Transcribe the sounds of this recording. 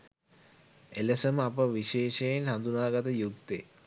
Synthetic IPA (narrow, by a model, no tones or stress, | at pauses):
eləsəməapəʋiʃeːʃejenɦand̪unaːɡat̪əjuk̚t̪ḛ